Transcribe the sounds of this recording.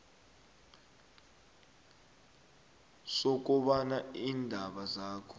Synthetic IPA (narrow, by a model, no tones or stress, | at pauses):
sok̬ʼuɓanaiːndʱaɓazaːkʰɔ̥